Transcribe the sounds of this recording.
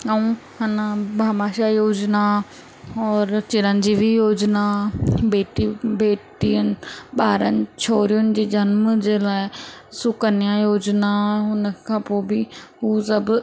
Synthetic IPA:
ɐũɦɐnabʱaːmaːʃajoːd͡ʑna | ɔːɾt͡ɕɪɾənɪ̆d͡ʑiːbijoːd͡ʑnabeːʈibeːʈiənɪ̆ɓaːɾənɪ̆t͡ɕʰoːɾijʊnɪ̆d͡ʑiːd͡ʑɐnmd͡ʑeːlaːɪsʊkənijãjoːd͡ʑnaɦʊnəkʰãːpoːbɪɦusɐb

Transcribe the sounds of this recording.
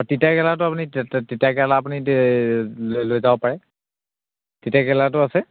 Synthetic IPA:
atitakɛlatʊapunititakɛlaːpuni | lojzabɔpaɹɛ | titakɛlat̬ʊasɛ

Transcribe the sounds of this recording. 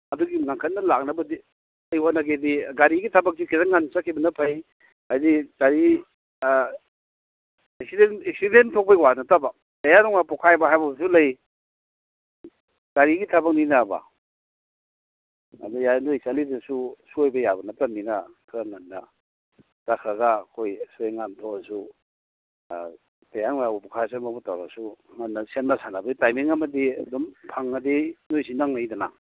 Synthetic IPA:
ɐduɡiŋaŋkʰɐnːɐlak̚nɐbɐdi | ajwanɐɡediɡaɾiɡitʰabak̚sikʰiɾaŋːansakʰibɐnɐpʰaj | ajditaɾi | esidenesidentʰok̚pɐjwanɐtaba | tajanɔŋnapɔkʰajbaɦajbabɐs̬ulɐj | ɡ̥aɾiɡitʰabɐk̚ninaba̰ | a̰dujanojsalidɐsusuojbɐjabɐnatamninakʰɾaŋanːa | takʰaɡakʰojsueŋantʰɔasu | tajaŋmajabupɔkʰajsamabutawɾa̰sumanːasenmasanabaitajmiŋamɐdiɐdɔmpʰaŋːadenojsinaŋnajdana

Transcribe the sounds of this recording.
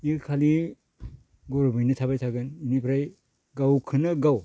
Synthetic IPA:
ikʰali | ɡɔɾbɯjnɯtʰabajtʰaɡɯninipʰɾaj | ɡawkʰɯnɯɡaw

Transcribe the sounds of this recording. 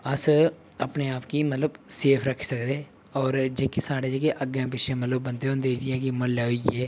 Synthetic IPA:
əs | əpneːaːpkiːmət̪ləbseːpʰɾəkʰːsəkd̪eː | ɔːɾd͡ʒeːkisaːɽeːd͡ʒekeʔəɡẽːpɪt͡ʃʰẽːmət̪ləbːə̃nd̪eːɦõːnd̪eːd͡ʒiɛːkimənlaːɦoiːɛː

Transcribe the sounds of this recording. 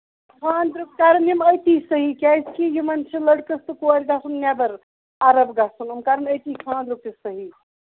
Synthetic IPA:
kʰãːnd̪ɾuk̚kaɾəniməjt̪isəɦikjajskijumɐnt͡ʃʰeləɽkəst̪ɐkoɐɾʲɡasunːjabəɾ | aɾəbɡasunumkaɾənəjt̪ikʰãːnd̪ɾup̚kesəɦi

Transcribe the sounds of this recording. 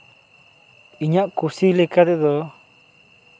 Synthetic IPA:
iɲaʔkusilɛkad̪ɛd̪ɔ

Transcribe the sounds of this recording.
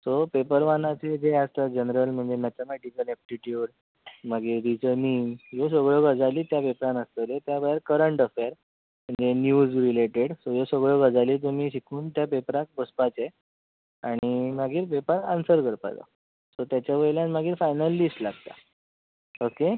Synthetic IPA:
sopepəɾʋanat͡sed͡zeəst̪əd͡ʑənɾəlm̤əɳd͡zemat̪amɛʈikəlɛp̚ʈiʈjuːɽ | maɡiːɾd̪it͡səniːmjos̬əɡɭəɡʱəd͡zaliːt̪japepɾãnəst̪əlet̪jabaɦeɾkəɾəɳʈəfjaɾ | m̤əɳd͡zenjuːd͡zɾileʈeɽsojosəɡɭəɡʱəd͡zaliːt̪̬um̤iːɕikʰuːnt̪japepɾak̚bəspat͡se | aɽ̃imaɡiːɾpepəɾansəɾkəɾpa̰t͡sa̰ | sot̪jat͡ɕjaʋəjljãnmaɡiːɾfajnəlːisʈlaɡt̪a̰ | oke

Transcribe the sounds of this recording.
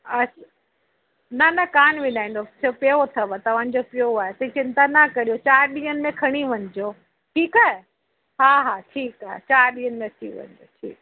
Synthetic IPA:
ɐs | nɐnɐkaːnʋɪnaːĩnd̪ot͡ɕʰopeot̪ʰɐʋət̪ɐʋ̤ãːɲ̆d͡ʑopɪjoaːɦet̪ɐ̃it͡ɕɪ̃nt̪anakɐɾijot͡ɕaːɾɗĩːənɪ̆mẽkʰɐɽ̃iʋɐɲd͡ʑoː | ʈʰiːkaːɦe | ɦaːɦaːʈʰiːkaːɦḛt͡ɕaːɾɗĩːɦənɪ̆mẽt̪ʰḭʋɐ̰̃ɲd͡ʑo̰ʈʰḭːk

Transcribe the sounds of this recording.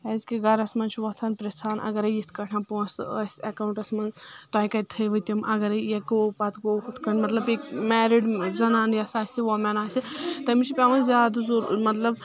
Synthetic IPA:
ɐzkiɡɐɾɐsmɐnt͡ʃʰiʋɐt̪ʰɐːnpɾest̪ʰaːnʔɐ̰ɡɐɾɐjit̪ʰkɐʈʰãnposəsʲɐkaːwuɳʈɐsmɐnt̪aːjkɐt̪̚ʲt̪ʰɐjʋɨt̪ʲimʔɐɡɐɾɐjekopɐt̪ɡoːkut̪kɐnʲmɐt̪lɐbekmɛːɾiɖzɐnaːnjɐsaːsiʋomɐnaːsʲit̪ɐmit͡ʃʰipʲaʋɐnzʲaːd̪zuɾmɐt̪lɐb

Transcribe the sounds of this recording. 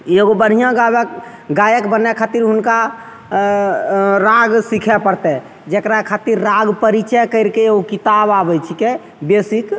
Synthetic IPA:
eɡobəɽ̤ijãɡa | ɡajəkbənɛkʰat̪iɾɦunka | ɾãɡsikʰɛpəɾt̪ɛ | d͡ʒekɾakʰat̪iɾːaɡpəɾit͡ʃɛkəɪɾkeeokit̪ababɛt͡ʃʰike | besik

